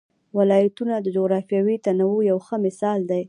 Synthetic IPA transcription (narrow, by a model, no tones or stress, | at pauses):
walɑjat̪unad̪əd͡ʒoɣɾɑfjɑwit̪anawujawxəmɪsɑld̪aj